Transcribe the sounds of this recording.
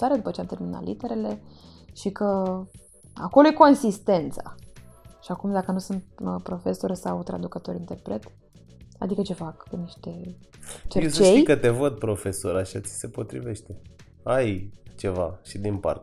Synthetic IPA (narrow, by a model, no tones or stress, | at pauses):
t̪aɾed̪upət͡ʃeamt̪elmina̰lʔḭt̪e̞ɾe̞le̞ʃikə | ako̞lo̞jeko̞nsist̪e̞nt̪sa | ʃiakumd̪akənusɨnt̪pɾo̞fe̞so̞rʲsawt̪ɾa̰d̪ukət̪o̞ɾʲint̪e̞rpɾe̞t̪ | a̰d̪ikət͡ʃe̞fakeniʃt̪e̞ | t͡ʃeest͡ʃtej̪ikət̪e̞vəd̪̚pɾo̞fe̞soɾaʃai̥se̞po̞t̪ɾive̞ʃt̪e̞ | ajt͡ʃe̞vaʃid̪inpa̰rt̪